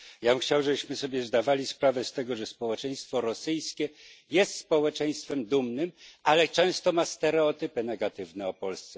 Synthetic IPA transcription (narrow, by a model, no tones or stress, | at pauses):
jabɘmxt͡ɕawʐɛbɘɕmɘsɔbʲjɛzd̪avalʲispɾavɛst̪ɛɡɔʐɛspɔwɛt͡ʂɛj̃st̪fɔɾɔsɘjskʲɛjɛst̪spɔwɛt͡ʂɛj̃st̪fɛmd̪umnɘmalɛt͡ʂɛ̃w̃st̪ɔmast̪ɛɾɛɔt̪ɘpɘnɛɡat̪ɘvnɛɔpɔlst̪sɛ